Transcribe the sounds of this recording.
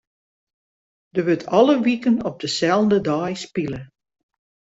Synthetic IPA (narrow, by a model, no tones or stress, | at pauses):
dəʋøtʰɑlˠəʋikənɔp̚dəsɛlˠndədajspilə